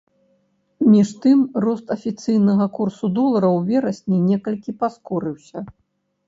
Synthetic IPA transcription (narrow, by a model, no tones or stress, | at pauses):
mʲiʂt̪ɨmrɔst̪ɐfʲit̪sɨjnɐɣɐkursud̪ɔlˠɐɾɐwvʲɛɾɐsʲnʲinʲɛkɐlʲkʲipaskɔɾɨwsʲɐ